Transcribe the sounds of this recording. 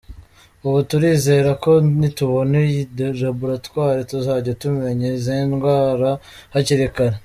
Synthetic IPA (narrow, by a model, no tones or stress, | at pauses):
uβutuɾiːze̞ɾako̞nituβo̞nedɾabuɾatwaːɾetuzaːɟatume̞ɲezenɡwaːɾa | haceɾekaɾe